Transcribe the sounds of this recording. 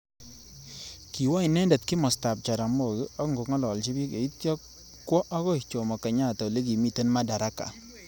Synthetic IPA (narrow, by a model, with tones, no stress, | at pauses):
ki˨wa˦i˨nɛ˦ndɛ˨t̚kɪ˦mɔ˨sta˨p̚t͡ʃa˨ɾa˨mo˨ɡɪ˦ɔ˦kŋɡo˨kŋɔ˦lɔ˨lt͡ʃi˦bi˦ke˨i˦tjɔ˦k | kːwɔ˦ʔa˦ɣɔ˦ɪ˨t͡ʃo˨mɔ˨ka˨ɲa˦˨ta˨le˦ɡi˨mi˦˨te˦nma˦da˨ɾa˦ka̰˨